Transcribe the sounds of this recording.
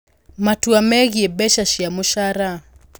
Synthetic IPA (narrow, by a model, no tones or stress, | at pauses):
matuamɛɣiɛbɛʃaʃiamuʃaɾa